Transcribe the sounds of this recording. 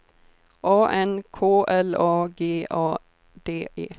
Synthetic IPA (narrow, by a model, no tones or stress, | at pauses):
ʔoːʔɛnkʰoːʔɛloːɡeːʔoː | d̪̥eːʔḛː